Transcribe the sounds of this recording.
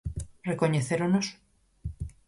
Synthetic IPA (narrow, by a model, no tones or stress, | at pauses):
rekoɲeθeɾonos